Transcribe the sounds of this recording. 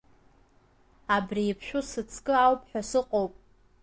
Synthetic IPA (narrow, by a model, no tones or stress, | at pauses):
abriːpʰʃᶣʊsɨt͡sʰkʼɨawpʰʼħᶣasɨqʼowpʼ